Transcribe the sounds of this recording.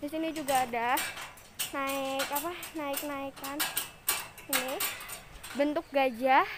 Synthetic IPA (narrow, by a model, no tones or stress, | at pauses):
disinid͡ʒuɡaːdah | naɪkapanaɪk̚naɪkan | ini | bənt̪ʊk̚ɡad͡ʒah